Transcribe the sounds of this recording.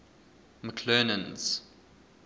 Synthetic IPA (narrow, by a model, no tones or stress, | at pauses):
məkʰlɛːnə̃nz̥